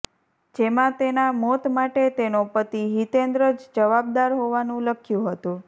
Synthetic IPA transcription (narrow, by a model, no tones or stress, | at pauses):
d͡ʒemãt̪enamɔt̪maʈet̪enopət̪iɦit̪end̪ɾəd͡ʒd͡ʒəʋab̚d̪aɾɦoʋanũləkʰjũɦət̪ũ